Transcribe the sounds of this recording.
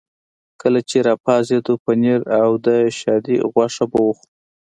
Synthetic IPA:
kəlat͡ʃeɾɑpɑzed̪opəneɾawd̪əʃɑd̪iɣwɑʂabawux

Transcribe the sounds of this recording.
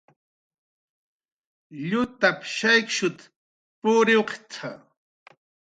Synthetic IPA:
ʎʊt̪apʃajkʃʊt̪ | pʊɾɪwqt͡sʰa

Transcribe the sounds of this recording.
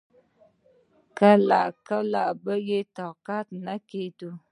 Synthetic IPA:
kala̰ʔkalaʔbəjetɔkatnaketu

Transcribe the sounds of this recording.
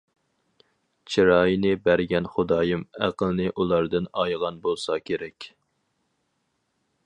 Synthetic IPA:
t͡ʃʰiɾɑːjinɨbæɾɡʲɛnχʊd̪ɑːjɨmæ̰qəlˠnɨʔulˠɑɾd̪ɨnɑjʁɑnbolˠsɑkʲʰeɾɛkʲ

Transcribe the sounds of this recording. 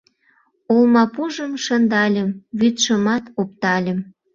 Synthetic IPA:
olmɑpuʒəmʃə̆nd̪ɑlʲəmβyt̪ʃəmɑt̪op̚t̪ɑlʲə̆m

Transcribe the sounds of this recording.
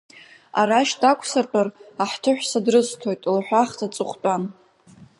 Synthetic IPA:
a̰ɾaʃtʼakʷʰsartʼaraħtʰɨħʷᶣsadrɨstʰojtʼlħʷᶣaχtʰat͡sʼɨχʷt͡pʼan

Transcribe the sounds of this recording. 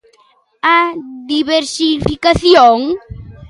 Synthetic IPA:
ad̪iβeɾsifikaθjoŋ

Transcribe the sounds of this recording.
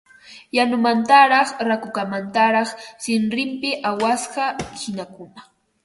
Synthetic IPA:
janʊmant̪aɾɑχɾakʊkamant̪aɾɑχsɪnɾɪmpɪʔawasɢɑhɪnakʊna

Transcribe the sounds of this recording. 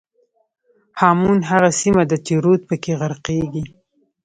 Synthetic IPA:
hɑmunɦaɣasimad̪ət̪iɾot̪̚pəkeɣaɾqeɡi

